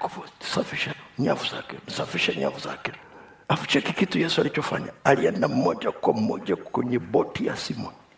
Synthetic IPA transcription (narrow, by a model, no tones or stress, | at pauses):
kufɔsafiʃaɲavuza̰kɛnsafiʃaɲa̰vuza̰kɛ | afi̥t͡ʃɛkikitujɛsualit͡ʃɔfa̰ɲaaliɛndam̩mɔʄakwam̩mɔ̰ʄakwɛɲɛbɔtija̰simɔni